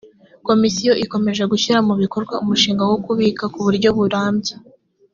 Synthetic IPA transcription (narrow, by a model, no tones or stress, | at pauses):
ko̞misijo̞ʔiko̞me̞ʒeɡuçiɾamuβiko̞ɾɡwaumuʃiːŋɡawokuβikakuβuɾɟo̞βuɾaːmbɟe